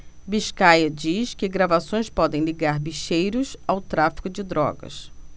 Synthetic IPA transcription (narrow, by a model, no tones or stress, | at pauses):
biʃkajɐd͡ʒiskɪɡɾavasõj̃spɔd̪ẽj̃liɡaɾbiʃejɾʊsawt̪ɾafi̥kʊd͡ʒɪd̪ɾɔ̰ɡɐ̰s